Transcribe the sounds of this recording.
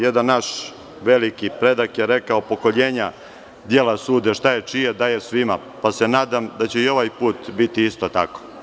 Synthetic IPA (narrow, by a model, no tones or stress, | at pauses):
je̞d̪anːaʃ | ʋe̞likipɾe̞d̪akjeɾe̞kaopo̞ko̞ʎe̞ːɲa | d̪je̞lasuːd̪eʃt̪aje̞t͡ʂijed̪ajesʋima | pase̞naːd̪amd̪at͡ɕe̞io̞ʋajpuːt̪bit̪iist̪o̞t̪a̰ko̥